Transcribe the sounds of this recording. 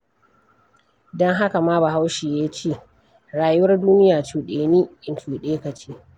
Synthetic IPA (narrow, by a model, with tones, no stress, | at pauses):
dɔ˦ŋɦa˦ka˨maː˦ba˨ɦa˦wʃiː˨jaː˦t͡ʃeː˦˨ | ɽaː˨jʊ˦wɐ˦rduː˦nɪ˦jaː˨t͡ʃuː˨ɗeː˨niː˦ʔɪ˨nt͡ʃuː˨ɗeː˦ka˨t͡ʃiː˦